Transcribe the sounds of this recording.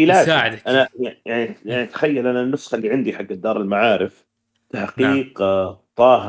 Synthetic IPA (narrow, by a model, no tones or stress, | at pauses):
ilaːaːʕd̪ʔanajajaʕnijaʕnit̪ḁxajːalʔananːʊsxlːiʕɪnd̪iħaɡːad̪ːɑːɾˤɪlmaʕaːɾɪf | t̪aħqiːqt̪ˤɑːɦ